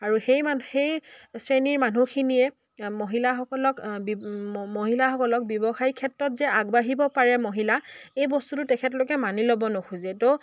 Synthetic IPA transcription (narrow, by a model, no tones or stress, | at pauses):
aɹuxejmaxejsɹeniɹmanukʰinijɛ | moɦilaxɔkɔlɔkbmoɦilaxɔkɔlɔk̚bjɔbɔxajkʰɛtɹɔtzɛaɡbaɦibɔpaɹɛmoɦilaejbɔstutʊtɛkʰɛtlokɛmanilobɔnɔxʰuzɛtɔ